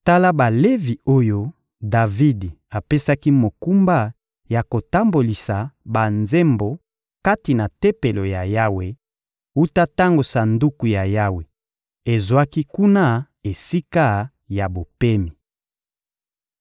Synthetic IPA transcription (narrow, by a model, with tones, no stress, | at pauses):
ta˦la˦ba˨le˦vi˨o˦jo˦ | da˨vi˦d | a˨pe˦sa˦ki˦mo˨ku˦mba˦˨ | ja˨ko˨ta˦mbo˨li˨sa˨ba˨nze˦mbo˨ | ka˦ti˨na˨te˦pe˨lo˨ja˨ja˦we˦ | u˦ta˦ta˦ŋɡo˨sa˨ndu˦ku˨ja˨ja˦we˨ | e˨zwa˦ki˦ku˦na˦˨ | e˨si˦ka˦˨ | ja˨bo˨pe˦mi˨